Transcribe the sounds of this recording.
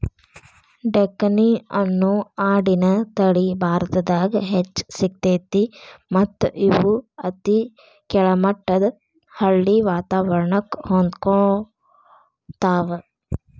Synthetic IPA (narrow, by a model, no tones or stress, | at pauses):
ɖekːɐniɐnːuaːɖinɐt̪ɐɽibʱaːɾt̪ɐd̪aːɡɐɦet͡ʃːsik̚t̪eːt̪imɐt̪ːuʔiʋuɐt̪i | kɛɭɐmɐʈːɐd̪ | hɐɭːiʋaːt̪aːʋɐɾɐɳɐkhond̪ko | t̪aːʋɐ